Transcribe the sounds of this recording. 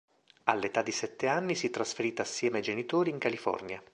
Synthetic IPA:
a̰lːet̪ad̪ːisɛt̪ːeanːisit̪ːɾasfeɾiːt̪aːsːjɛːmeajd͡ʒenit̪oːɾiːŋkalifɔ̰rnja

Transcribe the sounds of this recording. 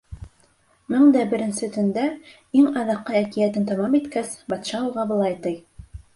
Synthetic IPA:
mɘŋd̪æbɘ̆ɾɘ̆nsɘt̪ɵ̆nd̪æ | iŋɑðɑqːɤækĭjæt̪ɘnt̪ɑmɑmit̪kæsbɑt̪ʃɑuʁɑbɤ̆lˠɑjt̪ɤj

